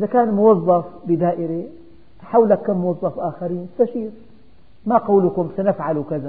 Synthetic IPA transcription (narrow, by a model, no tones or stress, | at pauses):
ʔɪzakaːnmʊwɑzˤːɑfbɪd̪aːʔɪɾi | ħawlakːamːʊwɑðˤːɑfʔaːxaɾiːnst̪aʃiːɾ | maqaːlʊkʊmsanɪfʕalukaza